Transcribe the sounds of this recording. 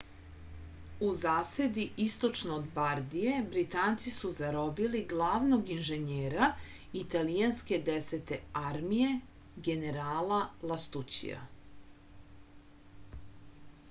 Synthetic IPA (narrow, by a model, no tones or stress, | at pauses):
uzaːse̞d̪iʔist̪o̞t͡ʃnoːd̪baɾd̪ije̞bɾit̪aːnt̪sisuzaɾo̞biliɡlˠaːʋnoɡinʒeɲeːɾa | it̪alijanske̞d̪eset̪e̞aɾmije̞ | ɡe̞neɾaːlalˠast̪ut͡ɕḭja̰